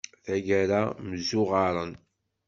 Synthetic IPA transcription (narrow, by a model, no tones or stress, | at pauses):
θæʝæɾaməzʊʁɑɾˤən